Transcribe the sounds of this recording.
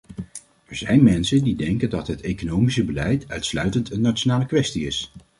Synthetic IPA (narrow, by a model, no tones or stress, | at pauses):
ɛɹzɛjnmɛnsəndidɛŋkəndɑtɦətejkonowmisəbəlɛjtœɥtslœɥtəntənːat͡ʃonaːləkʋɛstiɪs